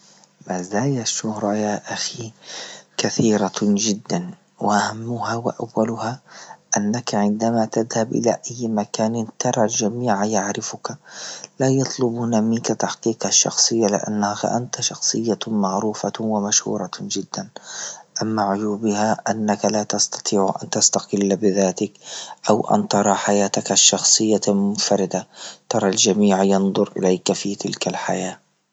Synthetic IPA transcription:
maːzaːjaʃːʊhɾˤɑjaːʔaxi | kaθiːɾˤad͡ʒɪd̪ːan | wɪʔahamːʊhawɪ̰ʔa̰wːalʊhaʔanːakaʕɪnd̪amat̪aðhabʔɪ̰la̰ʔajːmakaːnɪnt̪ɑɾˤɑld͡ʒamiːʕajaʕɾɪfʊkalaːjɑt̪ˤlʊbunamɪnkat̪ɑħqiːqaʃːɑ̰xsˤɨjːalɪ̰ʔa̰nːahaxa̰ʔant̪aʃɑxsˤɨjːamaʕɾuːfawamaʃhṵːɾˤɑd͡ʒɪd̪ːanʔamːaʕʊjuːbɪhaʔanːakalaːt̪ɑst̪ɑ̥t̪ˤʰiːʕʔa̰nt̪ast̪ɑqɪlːbɪðaːt̪ɪkʔawʔa̰nt̪ɑɾˤɑħajaːt̪akaʃːɑxsˤɨjːamʊnfaɾɪd̪at̪ɑɾˤɑld͡ʒamiːʕjɪnd̪ˤʊɾʔɪ̰lajkafit̪ɪlkalħa̰jaː

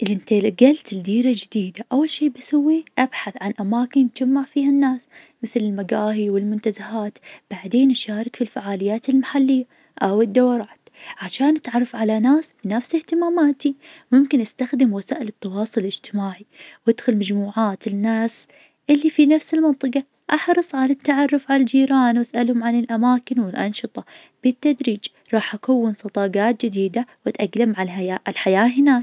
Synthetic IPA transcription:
ʔɪlʔɪnt̪alɡalt̪ɪld̪iːɾad͡ʒɪd̪iːd̪aʔawːalʃiːbasawːiʔabħaθʕanʔamaːkɪnt̪d͡ʒamːaʕfiːhanːaːs | mɪθlɪlmaɡaːɦiwɪlmʊnt̪azahaːt̪b̥aʕd̪eːnʔaʃaːɾˤɑkfilfaʕaːlɪjːaːt̪ɪlmaħalːɪjːa | ʔawɪd̪ːawɑɾˤɑːt̪ʕaʃaːnʔat̪ʕɑrˤːɑfʕalanaːsbɪnafsɪht̪ɪmaːmaːt̪imʊmkɪnʔast̪axd̪ɪmwasaːʔɪlɨt̪ːɑwɑːsˤʊlɪd͡ʒt̪ɪmaːʕiwɪd̪xʊlmad͡ʒmuːʕaːt̪ɪnːaːs | ʔɪlːifinafsɪlmɑnt̪ˤɨqɑ | ʔɑħɾˤɨsˤʕalat̪ːaʕɑrˤːʊfʕalald͡ʒiːɾɑːnwasʔalhʊmʕanɪlʔamaːkɪnwɪlʔɑ̰nʃɨt̪ˤɑ | b̥ɪt̪ːad̪ɾiːd͡ʒ | ɾˤɑːħʔakawːɪnsˤɑd̪ˤɑːɡaːt̪̚d͡ʒɪd̪iːd̪awɪt̪ʔaɡlamʕaaʔalħajaːɦɪnaːk

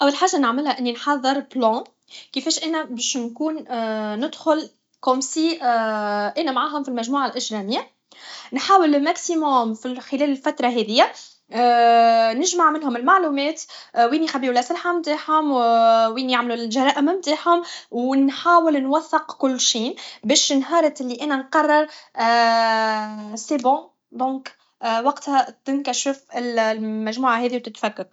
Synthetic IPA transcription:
ʔæwːalħaːʒːanəʕmɪlhæʔɪnːinħɑðˤːɨɾblɑ̃ː | kɪfɛːʃʔɛːnæbɛːʃnkuːnnɪd̪xʊl | komsiːʔʔɛːnæmʕaːɦʊmfilmæʒmuːʕalʔɪʒɾɑmɪjːa | nħaːwɪlmæksimʊmfixɪlɛːlɪlfæt̪ɾˤɑɦɛːðɪjːæ | nɪʒmaʕmɪnɦʊmɪlmaʕluːmɛːt̪wiːnixabiːwlʔæsalħamt̪aːħhʊmwiːnjaʕmlulʒɑɾˤɑːʔɪmmt̪aːħhʊmwnħaːwɪlnwaθːɪqkʊlːʃiːnbɛːʃnɦɑːɾˤɑt̪ʔɪlːiʔɛːnænqɑrˤːɪɾˤ | sebɑ̃ | d̪ˤɔ̃ːk | wɑqt̪hæt̪ɪnkæʃɪfɪllmæʒmuːʕaɦɛːðiwt̪ɪt̪fækːɑɾ

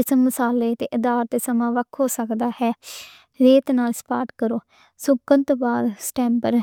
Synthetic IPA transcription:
ɪsməsaːleːt̪eːʔɪd̪aːɾt̪eːsəmãːʋəkʰoːsəkd̪aːhɛː | ɾeːt̪naːlspaːɾʈkəɾoː | sʊkənt̪ːbaːɾsʈɛ̃ːmpəɾ

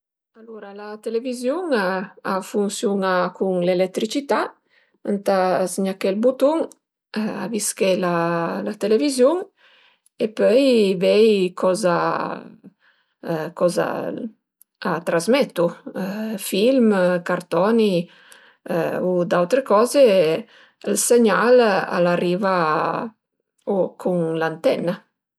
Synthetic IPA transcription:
aluɾalat̪elevizjuŋaafunsjunakuŋlelɛt̪ːɾit͡ʃit̪a | ant̪asɲakɛlbut̪uŋ | a̰viskelalat̪elevizjuŋ | epœjvɛjkʰɔza | kɔza̰ | at̪ɾazmɛt̪ːu | filmkaɾt̪ɔnḭ | ud̪awt̪ɾekɔːze | lseɲala̰lariːva | okʰuŋlant̪ɛna

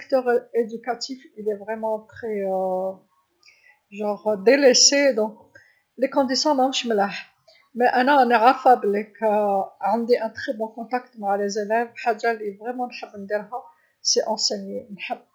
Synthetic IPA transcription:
kt̪œʁed̪ykat̪ifilɛvʁɛmɑ̃t̪χɛ | ʒɑ̃ʁd̪elesed̪ɔ̃k | lekɔ̃d̪isɔ̃d̪ɑ̃məʃməlaħ | mɛʔænanaʁafablekʕənd̪iʔɛ̃t̪χɛbɔ̃kɔ̃t̪akt̪maʕlezelɛvħaʒːalivʁɛmɑ̃nħəbːnd̪iɾɦæ | sɛʔɑ̃senjenħəbː

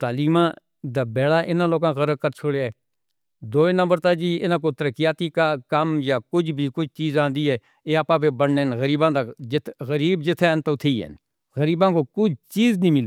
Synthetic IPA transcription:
t̪aːliːmãː | d̪aːbɛːɽaːʔɪnãːloːɡãːɣəɾəb̚kəɾt͡ʃʰoːɽeːɛː | d̪oːeːnə̃mbəɾt̪aːd͡ʒiːɪnãːk̬oːt̪əɾəkɪjaːt̪iːkaːkəmjaːkʊd͡ʒbʱiːkʊt͡ʃt͡ʃiːzãːnd̪iːɦɛː | eːapãːpeːbəɽneːnɣəɾiːbãːd̪ad͡ʒɪt̪ɣəɾiːbd͡ʒɪt̪ʰːɛːnt̪oːt̪ʰiːɦɛ̰n | ɣəɾiːbãːkoːkʊd͡ʒʱt͡ʃiːznĩːmɪliː

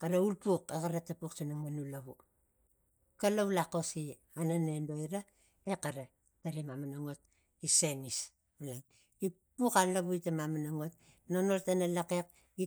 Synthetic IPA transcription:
kaɾaulpukekaɾatːapuksanaŋmanulaβu | kalaβulako̞si | ananendo̞iɾa | ekaɾa | taɾimamanaŋot̚ | isenis | alan | ipukalaβuitamamanaŋot̚ | nonoɾtanalake̞k̚ | i

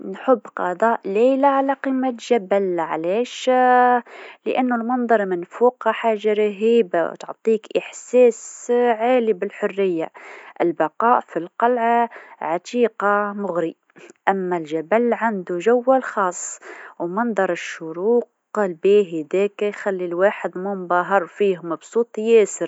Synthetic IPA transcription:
nħʊbːqɑd̪ˤɑːʔleːlaʕalaqiːmːaʒabælʕaleːʃ | lɪ̰ʔanːʊlmɑnd̪ˤɑɾˤmɪnfuːqhaħaːʒːaɾɑɦiːba̰wt̪ʊʕt̪ˤiːkʔɪħsɛːsʕaːlibɪlħʊrːɪjːa̰ʔɪlbɑqɑːʔfilqɑlʕaʕat̪iːqamʊɣɾi | ʔamːalʒabalʕand̪uʒawːalxɑːsˤːwmɑnd̪ˤɑɾˤɪʃːʊɾuːq | lbæːɦid̪eːkjxalːilwaːħɪd̪mumbɑːɦɑɾˤfiːhʊmɑbsˤuːt̪ˤjeːsɪɾ

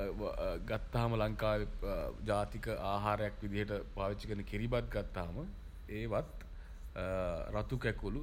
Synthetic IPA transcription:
ɡat̪ːaɦaməlaŋkaːʋed͡ʒaːt̪ikəʔaːɦaːɾəjakʋid̪iɦəʈəpaːʋit͡ʃːikəɾnːəkiɾibat̪̚ɡat̪ːaɦamə | eːʋat̪ | ɾat̪ukɛkulu

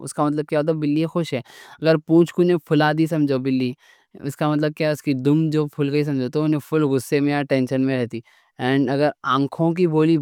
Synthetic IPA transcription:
ʊ̰skamɐt̪̬ləb̚kjaot̪obɪlːiexʊʃɦɛːɐɡəɾpũːt͡ʃkunẽpʰʊlaːd̪isɐ̃md͡ʒobɪlːi | ʊskamɐt̪̬ləb̚kjaʊskid̪ʊmd͡ʒoːpʰʊlɡɐis̬ɐ̃md͡ʒot̪oʊnẽpʰʊlɣʊsːemẽjaʈɛ̃ːnʃənmẽɾɛɦt̪iː | ɛːɳɖɐɡəɾãːkʰõk̬iboːli

